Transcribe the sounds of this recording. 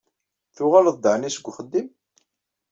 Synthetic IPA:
θʊʁalðd̪əʕnisəɡʷːχəd̪ːim

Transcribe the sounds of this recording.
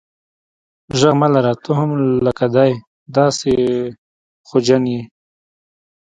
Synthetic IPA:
ʒaɣmalaɾat̪oɦamləkad̪ɑj | d̪ɑse | xod͡ʒanji

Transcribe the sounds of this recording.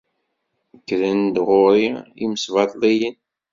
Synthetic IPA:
kːɾənd̪ʁoɾiḭməsvɑt̪ˤlijən

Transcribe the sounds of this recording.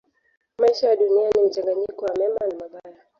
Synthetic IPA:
maiʃajaɗunianim̩t͡ʃaŋɡaɲikɔwamɛmanamaɓaja

